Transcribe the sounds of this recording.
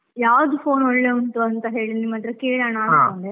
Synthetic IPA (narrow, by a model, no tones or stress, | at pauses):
jaːʋd̪upʰoːnɔɭːeːunt̪uɐnt̪ɐɦe̞ːɭinimːɐt̪ɾɐkeːɭanaːdɐɐne